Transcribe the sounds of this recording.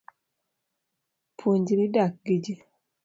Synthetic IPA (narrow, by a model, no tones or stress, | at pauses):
pʰuɲɟiɾidak̚ɡid͡ʒi